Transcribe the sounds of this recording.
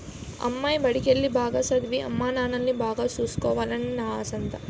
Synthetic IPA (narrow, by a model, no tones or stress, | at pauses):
ɐ̰mːɐjbɐɽikelːibʱaːɡɐsɐd̪ʋiʔɐ̰mːaːnaːnɐlːibʱaːɡɐsuːskoːʋɐlɐnnɐɦɐsɐnt̪ɐ